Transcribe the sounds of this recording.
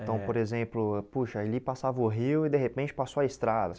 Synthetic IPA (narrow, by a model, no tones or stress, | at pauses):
t̪ɐ̃w̃poɾezẽplʊpuʃɐelipasavɐʊɦiwɪd̪eɦepẽt͡ʃɪ̥pasoaist̪ɾad̪ɐ